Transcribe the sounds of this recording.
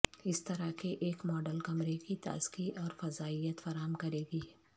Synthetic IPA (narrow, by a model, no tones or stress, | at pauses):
ɪst̪ɐɾakeʔeːkmɔːɖəlkɐmɾekit̪a̰ːzkiʔɔːɾfɐzaːijət̪fɐɾaːɦəmkɐɾeːɡiː